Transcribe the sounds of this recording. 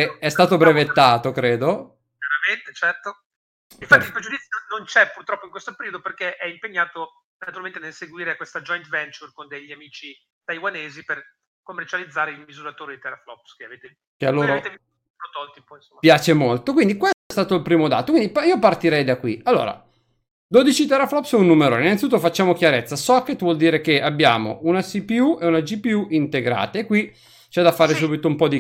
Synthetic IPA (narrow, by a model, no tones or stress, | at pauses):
eɛst̪aːt̪obɾevet̪ːaːt̪okɾeːd̪o | kaɾament̪et͡ʃɛrt̪o | infat̪ːilpɾed͡ʒud̪it̪sːjonont͡ʃɛpurt̪ɾɔpːoiŋkwest̪opeɾiod̪operkeʔɛimpeɲːaːt̪o | nat̪uɾalment̪enelseɡwiːɾekwest̪ad͡ʒɔjnt̪vɛnt͡ʃurkond̪eʎːiamiːt͡ʃi | t̪ajwaneːziper | komːert͡ʃalid̪zːaːɾeilmizuɾat̪oːɾed̪it̪eɾaflɔpskeaveːt̪e | kealːoːɾaɾoet̪ev | pɾot̪ɔlt̪ipoinsomːpjaːt͡ʃemolt̪okwind̪ikwest̪oɛst̪aːt̪oilpɾiːmod̪a̰ːt̪okind̪ipiːopart̪iɾɛjd̪akwialːo̰ːɾa̰ | d̪od̪it͡ʃit̪eɾaflɔpsɛunːumeɾo̰ːneinanit̪ut̪ːofat͡ʃːaːmok̟jaɾet̪sːasɔkːet̪vwɔld̪iːɾekeabːja̰ːmo̰ʔunasipiuʔeunad͡ʒipiuʔint̪eɡɾa̰ːt̪aekːwi | t͡ʃɛd̪afːaːɾes̬ubit̪oumpɔd̪i